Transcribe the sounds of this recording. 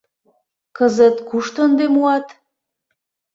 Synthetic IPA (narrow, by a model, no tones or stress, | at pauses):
kəzət̪kuʃt̪ond̪emuɑt̪